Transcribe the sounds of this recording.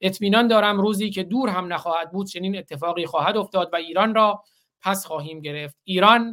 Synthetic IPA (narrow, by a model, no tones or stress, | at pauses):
ʔe̞t̪ʰmiːnɒːnd̪ɒːɾæmɾuːziːcʰe̞d̪uːɾɦæmnæxɒːhæd̪̚buːd̪̥̚t͡ʃʰe̞niːne̞t̪ʰːe̞fɒːɣiːxɒːhæd̪o̞ft̪ɒːd̪væiːɾɒːnrɒː | pʰæsχɒːɦiːmɟe̞ɾe̞ft̪iːɾɒːn